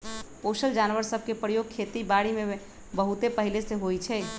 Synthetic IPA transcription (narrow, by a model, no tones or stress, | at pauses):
posəld͡ʒanʋəɾsəb̚ʱkepɾəjoɡ̚kʰet̪ibaɽime | bəɦut̪epəɦileseɦojt͡ʃʰɛ